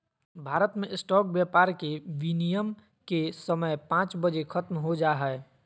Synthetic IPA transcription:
bʱaːɾət̪mẽɪsʈɔːk̚bjɛpaːɾkeʋinijəm | kesəməjpãːt͡ʃbəd͡ʒekʰət̪mɦod͡ʒaːɦɛe

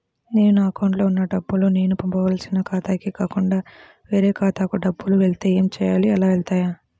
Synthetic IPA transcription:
ne̞ːnuɐkɐwɳʈloːunːɐɖɐbːulune̞ːnupɐmpɐʋaːlsinɐkaːt̪aːkikaːkuɳɖaː | ʋe̞ːɾeːkaːt̪aːkuɖɐbːuluʋeɭt̪e̞ːeːmt͡ʃɛːja̰ːliɐlaːʋeɭt̪aːjaː

